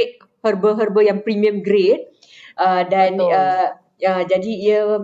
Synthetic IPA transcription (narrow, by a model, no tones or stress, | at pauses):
t̚ | hərbəɦərbəjaŋpɾimĩə̃mɡɾet̚ | ʔədanə | əd͡ʒadiiə